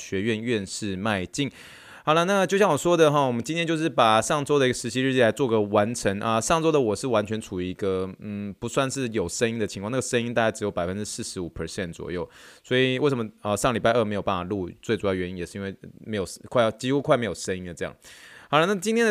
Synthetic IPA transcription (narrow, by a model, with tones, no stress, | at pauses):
ɕɥɛ˧˥ɥɛ˥˧nɥɛ˥˧nʂɻ̩˥˧ma˥˧ɪt͡ɕi˥˩ŋ | ɑ˧˥ʊla˧na˥˩t͡ɕjʊɕjɑ˥˩ŋwɔ˨˩ʂwɔ˥d̪ə˨xɑ˥˩wɔ˨˩mə˦nt͡ɕi˧˥nt̪jɛ˥t͡ɕjo˥˧ʊʂ̬ɻ̩˥˩pa˨˩ʂɑ˥˩ŋt͡so˥ʊd̪ə˨i˧˥ɡə˧˩ʂɻ̩˧˥t͡ɕʰi˧˥ɻ̩˥˧t͡ɕi˥˩la˧˥ɪt͡swɔ˥˩ɡə˩wa˧˥nʈ͡ʂʰə˧˥ŋʔə˧ʂɑ˥˩˧ŋt͡so˥ʊd̪ə˨wɔ˨˩ʂɻ̩˥˩wa˧˥nt͡ɕʰɥɛ˧˥nʈ͡ʂʰu˨˩i˧i˧˥ɡə˧n̩˥˩pu˧˥swa˥˧nʂɻ̩˥˩jo˨˩ʊʂə˥ni˥ŋd̪ə˨t͡ɕʰi˧ŋkʰɑ˥˧na˥˩ə˩ʂə˥ni˥nt̪a˥˧˩t͡ɕa˥ɪʈ͡ʂɻ̩˧˥jo˧˥ʊpa˨˩ɪfə˦nʈ͡ʂɻ̩˥sɹ̩˥˩ʂɻ̩˧˥u˨˩pʰə˨˥ɕjɛ˥˩nt͡swɔ̰˨˩jo˥˩ʊswɔ˧˥i˨˩we˥˩ʂə˧˦mə˦˩ə˧ʂɑ˥˩ŋli˨˩pa˥˧ə˥˩me˧˥ɪjo˨˩pa˥˩a˨˩lu˥˧t͡swe˥˩ʈ͡ʂu˨˩jɑ˥˩ʊɥɛ˧˥ni˦˥ŋjɛ˨˩ʂɻ̩˥˧i˥nwe˥˩ɪme˧˥ɪjo˨˩ʊkʰa˥˧ɪ˨t͡ɕi˥xu˥kʰwa˥˩ɪme˧˥ɪjo˨˩ʂə˥ni˥ŋd̪ə˩ʈ͡ʂɤ˥˧jɑ̰˥˩ŋhla˧˥na˥˩t͡ɕi˥nt̪ʰjɛ˥ə